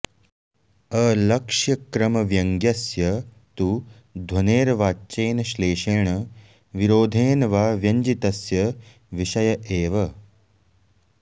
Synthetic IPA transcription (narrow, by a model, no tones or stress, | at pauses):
ɐlɐkʂjɐkɾɐmɐʋjɐŋɡjɐsjɐ | t̪u | d̪ʱwɐneːɾɐʋaːt͡ʃeːnɐʃleːʃeːɳɐ | ʋiɾoːd̪ʱeːnɐʋaːʋjɐɲd͡ʒit̪ɐsjɐ | ʋiʃɐjɐʔeːʋɐ